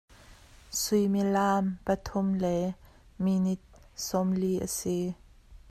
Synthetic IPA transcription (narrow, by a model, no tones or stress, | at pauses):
sʊjmilaːmpət̪ʰʊmlɛ | minit̪̚sɔmliʔə̰si